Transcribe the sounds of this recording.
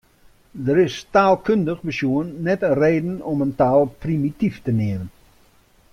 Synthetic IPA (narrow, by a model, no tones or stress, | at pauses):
dəɾɪstaːlˠkøndəχbəsjuənːɛtəreːdən̩ɔməntaːlˠprimitiftəneəmən